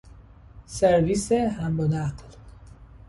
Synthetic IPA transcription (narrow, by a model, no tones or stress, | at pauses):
seɾvisehæmbonæql